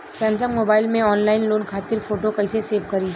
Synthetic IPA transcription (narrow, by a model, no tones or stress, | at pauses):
sɐ̃nt̪əkmoːbaːɪlmẽɔːnlaːɪnloːnkʰaːt̪ɪɾfoːʈokɐɪseseːʋkɐɾi